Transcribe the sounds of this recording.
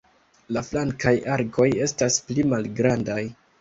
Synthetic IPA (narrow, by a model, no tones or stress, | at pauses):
laflaŋkajaɾko̞je̞stasplimalɡɾandaj